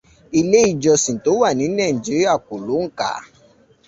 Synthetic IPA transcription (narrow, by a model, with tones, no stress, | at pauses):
i˧le˦i˦˨d͡ʒɔ˧sĩ˨to˨˦wa˦˨nĩ˨˦nɛ̃˦˨n˨d͡ʒi˦i˦a˦˨ko˨lo˨˦ŋ̩˦ka̰˨˦